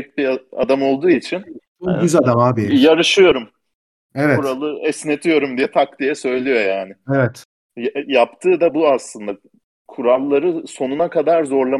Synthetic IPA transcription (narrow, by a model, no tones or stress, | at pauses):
c̚bia̰d̪amo̞lˠd̪uːit͡ʃʰin | ɟyzad̪amaːbijaɾɯʃɯjo̞ɾum | evɛbuɾalˠɯɛsne̞t̪ʰijo̞ɾumd̪ijɛt̪ʰak̚d̪ijɛsø̞jlʲijo̞jaːnɪevɛt̪ | jjapt̪ʰɯːd̪abuaslˠɯnd̪a | kʰuɾalˠːaɾɯso̞nunakʰad̪aɾzo̞ɾlˠa